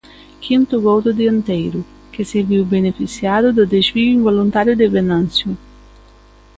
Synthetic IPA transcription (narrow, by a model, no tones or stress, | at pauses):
kʰint̪uɡowd̪ud̪iant̪ejɾu | k̟eseviwbenefisjaːd̪ud̪ad̪et͡ʃviɡuiɱvolunt̪aːɾjud̪ɪvenansju